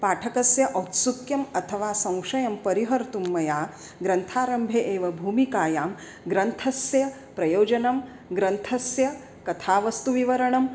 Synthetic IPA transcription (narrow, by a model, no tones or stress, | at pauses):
paːʈʰɐkɐsjɐʔɐt̪sukjɐmɐt̪ʰɐʋaːsɐ̃w̃ʂɐjɐmpɐɾiɦɐɾt̪umːɐjaː | ɡɾɐnt̪ʰaːɾɐmbʱeʔeːʋɐbʱuːmikaːjaːm | ɡɾɐnt̪ʰɐsjɐ | pɾɐjoːd͡ʒɐnɐm | ɡɾɐnt̪ʰɐsjɐ | kɐt̪ʰaːʋɐst̪uʋiʋɐɾɐɳɐm